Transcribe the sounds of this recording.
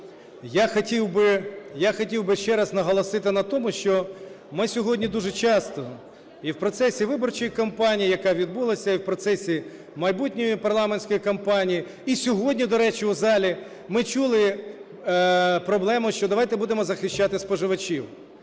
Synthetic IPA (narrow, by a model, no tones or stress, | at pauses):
jaxɐtʲiwbɪjaxɔtʲiwbɪʃt͡ʃɛɾɐznɐɦɔlˠɔsɪt̪ɪnɐt̪ɔmʊʃt͡ʃɔ | mɪsʲɔɦɔdʲnʲid̪uʒɛt͡ʃɑst̪ɔ | iwpɾɔt̪sɛsʲiʋɪbɔrt͡ʃɔjikɐmpɑnʲijijɐkɑʋʲid̪̚bulˠɐsʲɐiwpɾɔt̪sɛsʲi | mɐjbut̚ʲnʲɔjipɐrlˠɑmenʲsʲkɔjikɐmpɑnʲiji | isʲɔɦɔdʲnʲid̪ɔɾɛt͡ʃɪʊzɑlʲi | mɪt͡ʃulˠɪ | pɾɔblˠɛmʊʃt͡ʃɔd̪ɐʋɑjt̪ɛbud̪emɔzɐxɪʃt͡ʃːat̪ɪspɔʒɪʋɐt͡ʃʲiw